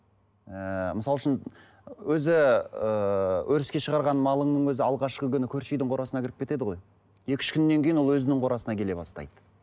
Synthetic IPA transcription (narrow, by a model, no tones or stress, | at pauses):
əməɪsɑlˠəʃən | wɵzɪəwʔɵɾɪskʲe̞ʃəʁɑɾʁɑnmɑlˠəɴnəŋwɵzɪɑlˠʁɑʃqəkʲʰʏnɪkʲʰɵɾʃejd̪ɪɴqʰo̞ɾɑsənɑkʲɪɾɪp̚kʲe̞t̪e̞d̪ɪʁo̞j | je̞kʲɪ̥ʃkʲʰʏnːe̞ŋkʲejinwowɵzɪnɪɴqʰo̞ɾɑsənɑkʲele̞bɑst̪ɑ̰jd̪ə̥